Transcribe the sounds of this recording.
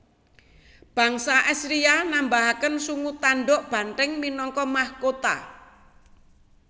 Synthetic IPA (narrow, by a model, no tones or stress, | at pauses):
b̥ä̤ŋsaʔɛsɾianambaɦakənsuŋut̪aɳɖɔʔb̥a̤nrɪŋminɔŋkɔmahkot̪a̰